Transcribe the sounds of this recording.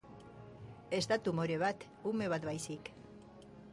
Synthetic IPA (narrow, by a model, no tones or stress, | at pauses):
e̞st̪at̪umo̞ɾe̞β̞at̪ | ume̞β̞at̪βbajsik